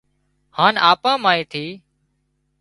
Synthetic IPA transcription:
haːnaːpãːmaːĩːt̪ʰiː

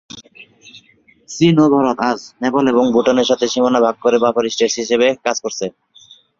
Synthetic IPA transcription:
sinob̪ʱɔɾot̪aznɛboleboŋbʱuʈoneɾʃat̪ʰeʃimonabʱaɡ̚koɾebapʰoɾisʈeʃɦiʃeβekad͡ʑkoɾsʰe

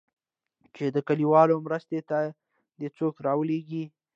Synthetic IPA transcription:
t͡ʃed̪əkaliwɑlomɾəst̪et̪a | d̪et͡sokɾɑwəleɡi

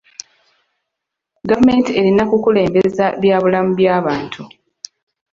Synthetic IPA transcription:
ɡavume̞ːntie̞ɾinakukule̞ːmbe̞zaβjaːβulamuβjaːβaːntʰu

